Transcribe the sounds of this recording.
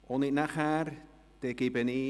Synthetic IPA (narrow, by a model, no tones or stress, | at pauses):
oniʔnaχaɾ | t̪ekipeni